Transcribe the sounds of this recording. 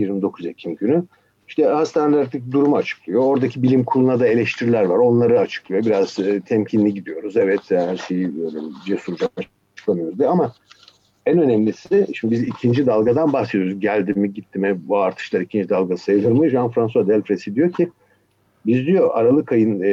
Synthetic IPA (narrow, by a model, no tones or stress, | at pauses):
jiɾmid̪o̞kʰuzecʰimɟyny | iʃt̪ʰɛhast̪aned̪æɾt̪ecd̪uɾumuat͡ʃʰɯ̥klˠɯjo̞oɾd̪acʰibilʲimkʰulˠunad̪ae̞lʲɛʃt̪ʰiɾilʲæɾvaɾo̞nlˠaɾɯat͡ʃʰɯ̥klˠɯjobiɾaz̥t̪ʰɛmcʰinlʲiɟid̪ijo̞ɾuzevɛt̪ʰhæɾʃejibøjlʲɛid͡ʒɛsuɾd͡ʒak̚maʃ | t͡ʃɯ̥klˠamɯjoɾuzd̪iama | ænønɛmlʲisid̪ɛʃimibizicʰind͡ʒid̪alˠɡad̪anbaxsed̪oɾuzɟælʲd̪imiɟit̪ʰːimɛbaɾt̪ʰɯ̥ʃlˠaɾicʰind͡ʒid̪alˠɡaajɯlɯɾmɯʒanfɾansuad̪ɛlʲfɾesid̪ijo̞cʰi | bizd̪ijo̞ʔaɾalˠɯkʰajɯn